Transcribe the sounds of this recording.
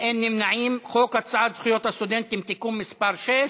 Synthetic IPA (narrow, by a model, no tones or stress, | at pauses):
ʔɪnːɪmnaʕiːmxoːkat̪sˤʕad̪xjot̪asud̪ent̪ːɪmt̪ikuːmmɪspɑɾˤʃeː